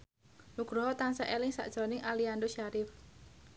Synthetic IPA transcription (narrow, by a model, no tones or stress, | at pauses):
nuɡ̥ɾɔɦɔt̪ansaʔelɪŋsa̰ʔd̥ʒ̥ɔ̤nɪŋʔaliandoʃaɾɪf